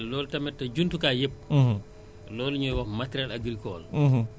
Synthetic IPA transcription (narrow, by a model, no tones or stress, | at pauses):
lɔːltɐmɛtːɐɟuntukaːjep̚ː | lɔːlɲɔjwamatɾɛlaɡɾikɔ̰ːl